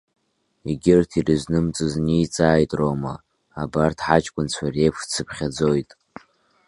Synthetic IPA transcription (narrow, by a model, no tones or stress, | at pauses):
iɡʲɪrtʰirɨznɨmt͡sʼɨznijt͡sʼaːjtʼroma | abartʰħat͡ʃʼkʷʼʊnt͡sʷʰare̞jpʰt͡sʰɨpʰχʲad͡zojtʼ